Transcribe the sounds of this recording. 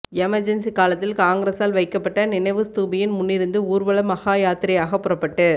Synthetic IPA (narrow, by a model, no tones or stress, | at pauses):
ɛmɐɾd͡ʒɛnsikaːlɐt̪ːɪlkaːŋɡɪɾeːsaːlʋɐɪkːɐpːɐʈːɐnɪnɐɪʋɯst̪uːbɪjɪnmʊnːɪɾɯnd̪ɯuːɾʋɐɭɐmɐɣaːjaːt̪ɪɾɐjaːɣɐpːʊrɐpːɐʈːɯ